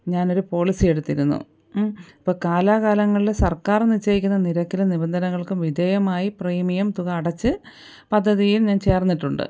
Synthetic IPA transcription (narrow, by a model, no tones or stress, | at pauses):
ɲaːno̞ɾupo̞ːɭisɨje̞ɽut̪ːiɾunːṵ | ipːoːkaːlaːɣaːlɐŋːɐɭilsɐrkaːrnit͡ɕːɐjik̬ʲːunːɐniɾɐkːilunibɐnd̪ʱɐnɐŋːɐɭkumʋid̪ʱeːjɐmaːjipriːmijɐmt̪uɣɐːɽɐt͡ɕːɨ | pɐd̪ʱːɐðijilɲaːnt͡ɕe̞ːrnːiʈːuɳɖɨ̰